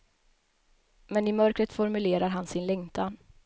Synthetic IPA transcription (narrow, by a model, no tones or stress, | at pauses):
mɛnɪmœɾkɾət̪fɔɾmɵleːɾaɾɦansɪnlɛŋt̪ʰan